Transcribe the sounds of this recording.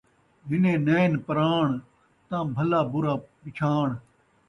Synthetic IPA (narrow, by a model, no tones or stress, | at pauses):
ɦɪnẽːneːnpəɾaːɳ | t̪ãːbʱəlaːbʊɾaːbɪt͡ʃʰaːɳ